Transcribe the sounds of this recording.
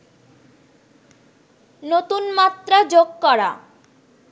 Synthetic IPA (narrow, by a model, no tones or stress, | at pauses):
not̪unmat̪ɾad͡ʒoɡ̚kɔɽa̰